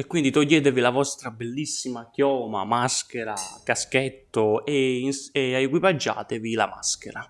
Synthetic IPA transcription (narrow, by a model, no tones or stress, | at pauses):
ekːwind̪it̪oʎːɛːt̪̬evilavɔst̪ɾabelːisːimakjɔːma̰maskeɾa̰kaskɛt̪ːoeinseaekwipad͡ʒːa̰ːt̪evila̰ma̰skeɾa